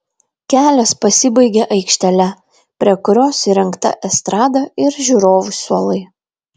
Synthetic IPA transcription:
kʲæːlʲɛspɐsʲɪbɐɪɡʲeʔɐɪkʃʲt̪ʲɛlʲɛ | pʲɾʲiɛkʊɾʲoːsiɾʲɛŋˑkt̪ɐ̰ʔɛst̪ɾɑːd̪ɑɪɾʒʲuɾoːʋʊsuɔlˠɐɪ

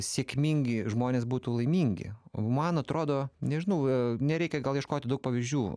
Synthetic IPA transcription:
sʲeɛkmʲiŋʲɡʲɪʒmoːnʲeːs̬buːt̪uːlˠɐɪmʲiŋʲɡʲɪ̰o̰mɐnɐt̪ɾoːd̪oːnʲɛʒʲɪnɐʊnʲɛɾʲɛɪkʲɛɡɐlˠjiɛʃkoːt̪ʲɪdɐʊk̚pɐʋʲɪzʲd͡ʒʲuː

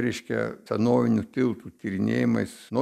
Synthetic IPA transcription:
ɾʲɛɪʃʲkʲɛ̰sʲɛnoːʋʲɪnʲut̪ʲɪlˠt̪ut̪ʲiɾʲɪnʲeːjɪmɐɪsno

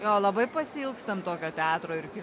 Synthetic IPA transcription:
joːlˠɐbɐɪpɐsʲɪɪlˠkst̪ɐmt̪oːkʲoːt̪ʲæːt̪ɾoːɪɾkʲɪ

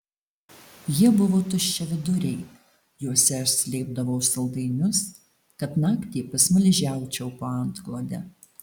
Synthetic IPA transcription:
jiɛbʊʋoːt̪ʊʃʲt͡ʃʲɛʋʲɪd̪ʊɾʲɛɪ | juɔsʲɛɪʃsʲlʲeːb̚d̪ɐʋoʊsɐlˠd̪ɐɪnʲʊs | kɐt̪nɑːkt̪ʲiːpɐsmʊlʲɪʒʲæˑʊt͡ʃʲɛʊpoːɐnt̪klˠoːd̪ʲɛ

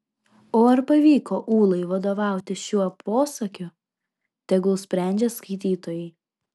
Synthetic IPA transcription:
oːɐɾpɐʋʲiːkoːʔuːlˠɐɪʋɐd̪oːʋɑˑʊt̪ʲɪʃʲuɔpʰoːsɐkʲʊ | t̪ʲɛɡʊsʲpʲɾʲæˑnʲd͡ʒʲeskɐɪt̪ʲiːt̪oːjɛɪ

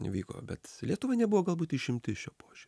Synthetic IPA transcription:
ɪ̰ʋʲiːko̰ːbʲɛt̪lʲiɛt̪ʊʋɐnʲɛbʊʋoːɡɐlˠbuːt̪ɪʃʲɪmʲt̪ʲɪʃʲoːpoːʒʲyɾʲ

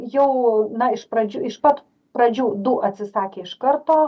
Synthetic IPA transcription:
jɛʊnɐɪʃpɾɐd͡ʒʲuɪʃpɐt̪ | pɾɐd͡ʒʲuːd̪ʊʔɐt̪ʲsʲɪsɑːkʲeːɪʃkɐrt̪oː

